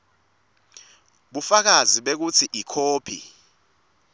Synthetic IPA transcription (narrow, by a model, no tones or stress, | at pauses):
ɓufak̬aziɓek̬ut͡sʰiʔikʰoːpʰḭ